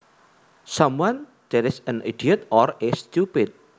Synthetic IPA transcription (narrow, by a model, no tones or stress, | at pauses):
samwan | d̪̥ɛɾɪsənid̥iət̪ɔrest̪upɪt̪̚